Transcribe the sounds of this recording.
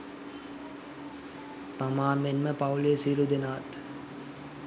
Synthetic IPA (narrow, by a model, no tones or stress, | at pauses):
t̪amaːnmenməpawliesiːɾud̪enəʋat̪